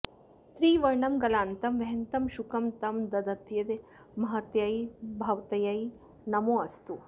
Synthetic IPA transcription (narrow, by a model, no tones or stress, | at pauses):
t̪ɾiːʋɐɾɳɐmɡɐlaːnt̪ɐmʋɐɦɐnt̪ɐmʃukɐmt̪ɐmd̪ɐd̪ɐt̪jɐd̪e | mɐɦɐt̪jɐjbʱɐʋt̪ɐjɐj | nɐmoːɐst̪u